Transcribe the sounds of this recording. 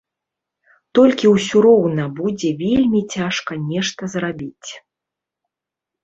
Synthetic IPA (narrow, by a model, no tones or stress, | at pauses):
t̪ɔlʲkʲiwsʲuɾɔwnɐbud͡zʲɛvʲelʲmʲit͡sʲaʂkɐnʲɛʂt̪ɐzrabʲit͡sʲ